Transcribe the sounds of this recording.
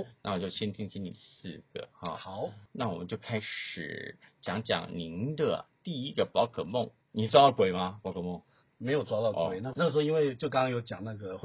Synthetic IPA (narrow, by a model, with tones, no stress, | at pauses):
na˥˩˨wɔ˨˩t͡ɕjo˥˩ʊɕjɛ˥nt̪ʰi˥ŋt͡ɕʰi˥nḭ˨˩sɹ̩˥˩ɡ̥ə̰˩xɑ̰˥˩xɑ˨˩˦ʊna˥˩wɔ˨˩mə̰˦nt͡ɕjo˥˩ʊkʰa˥ɪʂɻ̩̰˨˩t͡ɕjɑ˧˥ŋt͡ɕjɑ̰˨˩ŋni˧˥nd̪ə̰˧t̪i˥˧i˦˥ɡə˨pɑ˧˥ʊkʰɤ˨˩mo˥˩ŋ | ni˨˩t͡sɔ˥ɑ˥˩kwe˨˩ɪmɐ˦pɑ˧˥kʰɤ˨˩mo˥˩ŋ | me˧˥ɪjo˨˩t͡sʊt̪ɑ˥˩˧we˨˩ɪna˥˩na˥˩əʂ̩˥o˥˧i˥nwe˥˩ɪt͡ɕjo˥˩k̬ɑ˥ŋkɑ˥ŋjo˧˥ʊt͡ɕjɑ˨˩ŋna˥˩ɡə˩x